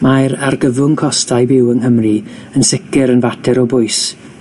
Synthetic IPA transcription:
majɾarɡəvʊnkʰɔstʰajbɪwənɦəmri | ənsɪkɛɾənvatʰɛɾɔbʊɨs

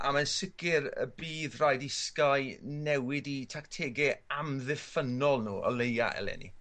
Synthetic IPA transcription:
a̰mansɪɡɪɾə̰biːðrajdɪskaɨnɛwɪditʰaktʰeːɡɛamðɪfənɔlˠnuːɔ̰lˠeja̰ɛ̰lɛ̰nḭ

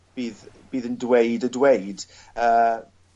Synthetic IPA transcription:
b̥iːð | b̥iːðəndwejdədwejd̥ | əː

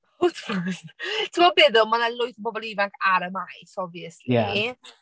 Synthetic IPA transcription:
otʰfɔsttʰəmɔbɛdəmanalʊjθəbɔbɔlˠivaŋkʰaɾəmajsɔvjəsljia̰

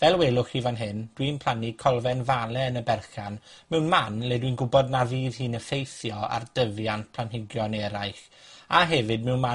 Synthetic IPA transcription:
vɛlˠweːlˠʊχivanɦɪnd̥winpʰl̥ˠanikʰɔlˠvɛnvalˠɛənəbɛrχanmɛwnmanlɛdwinɡʊbɔdnaviːðhiːnəfejθjɔa̰rd̥əvjantpʰlanɦɪɡjɔnɛɾajχ | aɦɛvɨd̚mɛwnma

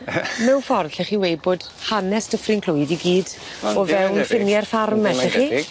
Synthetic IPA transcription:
mɛwfɔrɬɛχiwejboːd̥ | hanɛstʰəfrɪnkʰl̥ʊjdiɡiːd | ɔvɛwnfɪnjɛrfarmɛɬɛχi

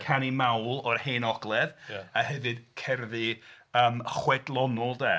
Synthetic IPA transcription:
kʰanimawlˠɔrheːnɔɡlˠɛðahɛvɨd̥kʰɛrðɨ | əːmχwɛdlˠɔnɔlˠdɛː

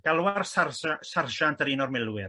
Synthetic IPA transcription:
ɡ̥alˠwarsarsarʒantəɾinɔrmɪlˠwɪr

